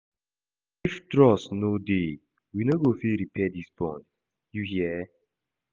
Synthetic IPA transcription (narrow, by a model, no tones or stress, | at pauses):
iftɹɔsnode | winoɡofiɾipʰɛdisbɔ̰̃n | juhiɛ